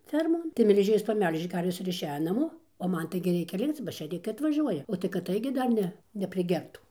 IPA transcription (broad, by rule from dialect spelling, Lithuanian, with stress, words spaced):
ˈfʲɛrmoːn tɐɪ mʲɛlʲˈʒʲeːjoːs pɐˈmʲɛlʲʒʲeː ˈkɐrʲʋʲɛs ɪr ɪʃʲˈæːjoː nɐˈmoː oː ˈmɐn ˈtɐɪɡʲɪ ˈrʲɛɪkʲɛ ˈlʲɪkt͡s bɐ ʃʲeːˈrʲɪkɐɪ ɐtʋɐˈʒʲuɔjɛ oː tɐɪ kɐt ˈtɐɪɡʲɪ dɐr ˈnʲɛ nʲɛpʲrʲɪˈɡʲɛrtuː